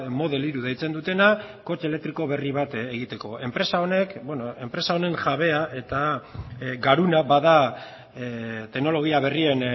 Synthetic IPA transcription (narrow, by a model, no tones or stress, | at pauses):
mo̞ðe̞liɾuð̞ejt͡se̞nd̪ut̪e̞nako̞t͡ʃelek̚t̪ɾiko̞βe̞riβat̪eɣ̞it̪e̞ko̞e̞mpɾe̞sao̞ne̞kbwenoe̞mpɾe̞sao̞ne̞ŋʝaβe̞aʔe̞t̪a | ɡaɾunabaða | t̪e̞ɣno̞lo̞ɣ̞iaβ̞e̞rie̞n